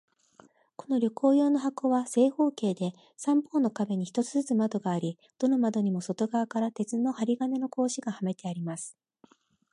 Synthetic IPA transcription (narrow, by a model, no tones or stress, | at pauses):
ko̞no̞ɾʲo̞kʰo̞ːjo̞ːno̞ɦako̞βase̞ːho̞ːke̞ːd̪e̞ | sãmpoːnokabe̞ɲ̟içi̥t̪o̞t͡sɨzɨt͡sɨmad̪o̞ɡaːɾʲi | d̪̥o̞no̞mad̪o̞ɲ̟imo̞so̞t̪o̞ɡaβakaɾat̪e̞t͡sɨno̞haɾʲiɡane̞no̞ko̞ːɕiɡahame̞t̪e̞aɾʲimasɨ̥